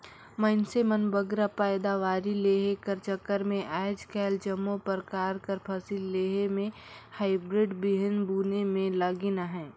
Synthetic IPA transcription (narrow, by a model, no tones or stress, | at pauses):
məɪnsemənbəɡɾapaːɪd̪aʋaːɾileːɦekəɾt͡ʃəkːəɾmẽʔaːɪd͡ʒkɛːld͡ʒəmːopəɾkaːɾkəɾpʰəsilːeːɦemẽ | haːɪbɾɪɖbɪɦənbuːnemẽləɡɪnaɦɛ̃ː